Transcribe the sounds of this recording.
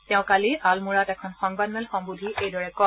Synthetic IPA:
tɛʊ̃kaliʔalmuɹatɛkʰɔnxɔŋbadmɛlxɔmbudʱiʔejdɔɹɛkɔ

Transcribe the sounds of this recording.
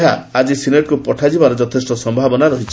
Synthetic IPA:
aad͡ʒisineʈ̚kupɔʈʰad͡ʒibaɾɔd͡ʒɔt̪ʰesʈɔsɔmbʱabɔnaɾɔɦit͡ʃʰi̥

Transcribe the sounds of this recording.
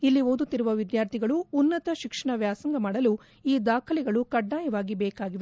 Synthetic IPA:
ilːiʋoːd̪ut̪ːiɾuʋɐʋid̪jaːɾt̪ʰiɡɐɭuːnːɐt̪ɐʃikʂɐɳɐʋjaːsɐŋɡɐmaːɽɐlu | iːd̪aːkʰɐlɛɡɐɭukɐɖːaːjɐʋaːɡibɛːkaːɡiʋe

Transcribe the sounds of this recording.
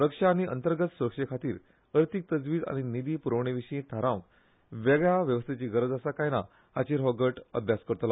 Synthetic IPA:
ɾəkʂaːɽ̃iʔə̰nt̪əɾɡət̪suɾəkʂekʰat̪iːɾ | əɾt̪ʰik̚t̪əd͡zʋiːd͡za̰ñinid̪iːpuɾəʋɳ̃eʋiɕəĩt̪ʰaɾãk | ʋɛɡɭjaʋjəʋəst̪ʰet͡ɕiːɡəɾəd͡zəsakajna̰ | hat͡ɕiːɾɦɔɡəʈə̰d̪ʱjaskəɾt̪la

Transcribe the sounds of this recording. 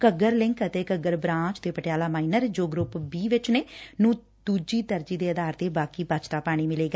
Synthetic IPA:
kəɡəɾlɪŋkət̪eːkəɡəɾbɾãːt͡ʃt̪eːpəʈɪjaːlaːmaːiːnəɾd͡ʒoːɡɾʊpbiːʋɪt͡ʃneːnũː | d̪̥uːd͡ʒiːt̪əɾd͡ʒiːd̪eːəd̪aːɾt̪eːbaːkiːbat͡ʃt̪aːpaːɽ̃iːmɪleːɡa

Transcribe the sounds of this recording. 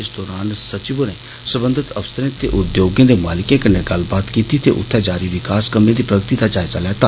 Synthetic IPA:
ɪsd̪ɔːɾaːnsət͡ʃɪbonẽː | səbə̃nd̪ʱɪt̪əfsəɾẽːt̪ḛːʔʊd̪joːɡjãːd̪eːmaːlɪkẽːkəneːɡəlbaːt̪kiːt̪iːt̪ḛːʔʊ̰t̪ʰːẽːd͡ʒaːɾiːʋɪkaːskəmẽːd̪iːpɾəɡət̪iːd̪aːd͡ʒaːɪzaːlɛːt̪aː

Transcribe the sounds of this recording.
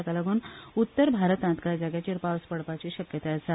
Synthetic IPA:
kaləɡuːnut̪ːəɾbʱaɾət̪ãnt̪kaɾd͡ʑaɡjat͡ɕiːɾpawspəɽpat͡ɕiːɕəkjət̪eəsa

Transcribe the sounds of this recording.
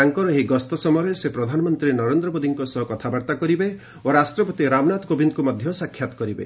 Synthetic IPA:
aŋkɔɾɔɦeɡɔst̪ɔsɔmɔɾesepɾɔd̪ʱanɔmɔnt̪ɾiɾenɔɾend̪ɾɔbod̪iŋkɔsɔɦɔkɔt̪ʰabaɾt̪akɔɾibe | oɾasʈɾɔpɔt̪iɾamnat̪ɔkobind̪kumɔd̪ʱjɔsakʰjat̪ɔ̥kɔɾibḛ

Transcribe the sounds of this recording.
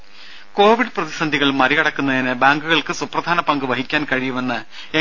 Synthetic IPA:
ko̞ːʋiɖɨprɐðisɐnd̪ʱiɣɐɭmɐɾiɐɽɐkːunːɐðinɨbaːŋɡuɣɐɭkɨsuprɐd̪ʱaːnɐpɐŋɡɨʋɐɦikʲːaːnkɐɻijume̞nːɨ | e

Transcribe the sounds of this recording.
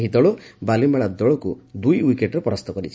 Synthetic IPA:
ɦit̪ɔɭɔbalimeɭad̪ɔɭɔkud̪ujwikeʈɾepɔɾast̪ɔkɔɾit͡ʃʰi̥

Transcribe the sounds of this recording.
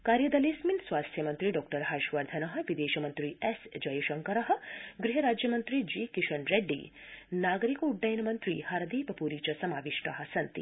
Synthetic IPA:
kaːɾjɐd̪ɐleːsminsʋaːst̪ʰjɐmɐnt̪ɾiɖɔːk̚ʈɐɾɦaːʃʋɐɾd̪ʱɐnɐɦɐ̆ʋid̪eːʃɐmɐnt̪ɾiesd͡ʒɐjɐʃɐŋkɐɾɐɦɐ̆ɡɾiɦɐɾaːd͡ʒjɐmɐnt̪ɾid͡ʒiːkiʃɐɳɾeɖːḭː | naːɡɐɾikuɖːɐjnɐmɐnt̪ɾḭːhaɾɐd̪iːpɐpuɾiːt͡ʃɐsɐmaːʋiʂʈɐɦɐ̆sɐnt̪ḭ

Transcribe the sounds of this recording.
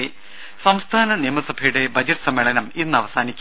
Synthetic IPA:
sɐmst̪ʰaːnɐneːmɐsɐbʱɐjuɽe̞bʱɐd͡ʑɐʈɨ̥sɐmːeɭɐnɐmenːɨɐʋɐsaːnikʲːu

